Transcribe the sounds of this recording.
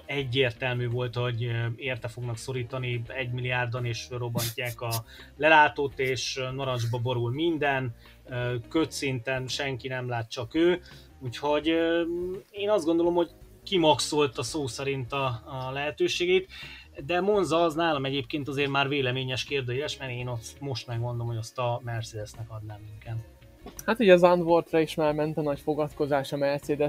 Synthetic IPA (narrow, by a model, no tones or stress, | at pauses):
ɛɟːeːrt̪ɛlmyːvo̞lt̪ho̞ɟeːrt̪ɛfo̞ɡnɒkso̞ɾiːt̪ɒniɛɟmilijaːrd̪oneːʃro̞bːɒɲcːaːkɒlɛlaːt̪oːt̪eːʃnoɾɒnʒbɒbo̞ɾulmind̪ɛn | økøt̪sint̪ɛnʃɛŋkinɛmlaːt̪̚ːt͡ʃɒkøː | uːcho̞ɟ | eːnɒzd̪ɡond̪o̞lo̞mho̞ɟ | kimɒkso̞lt̪ɒsoːsɛɾint̪ɒlɛɦɛt̪øːʃeːɡɛit̪ | d̪ɛmo̞nzɒːznaːlɒmɛɟeːpkeːnt̪ɒzeːrmaːrveːlɛmeːɲɛʃkeːrd̪øːjɛʃmɛeːnosmo̞ʃt̪mɛɡmo̞nd̪o̞mhoost̪ɒmɛrt̪seːd̪ɛsnɛkɒd̪naːmːiŋkɛn | hat̪iːɟɛzɒnd̪ʋort̪rɒiʃmaːrmɛnt̪ɒnɒcfo̞ɡɒt̪ko̞zaːʃɒmɛrt̪seːd̪ɛ